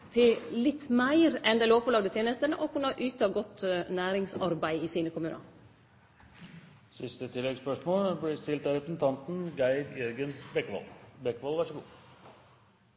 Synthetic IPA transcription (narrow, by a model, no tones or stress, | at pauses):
t̪ʰɪllɪt̪ːmæɪɾɛnd̪eloːpəlɑːɡd̪ət̪ʰeːnəst̪ənəʔɔkʉnːɑʔʉːt̪ʰɑːɡɔt̪næːɾɪŋsɑɾbæɪiːsiːnəkʊmʉːnɑ̰ | sɪst̪ət̪ʰɪlːɛɡspœʂmoːlblɪst̪ɪlt̪æɾɛpɾəsn̩t̪ʰɑnt̪n̩ɡæɪd̪jɛɾɡənbɛkːʋɑ̰lbɛkːʋɑlʋæʂəɡṵː